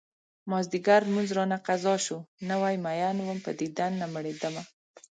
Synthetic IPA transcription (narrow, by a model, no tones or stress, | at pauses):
mɑzd̪iɡaɾmuzɾɑnaqazɑʃunawajmajanwəmpəd̪id̪anːaməɽed̪əma